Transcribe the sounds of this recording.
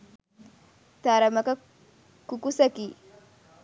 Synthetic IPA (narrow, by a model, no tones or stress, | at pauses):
t̪aɾɐmɐkɐ | kukusɐki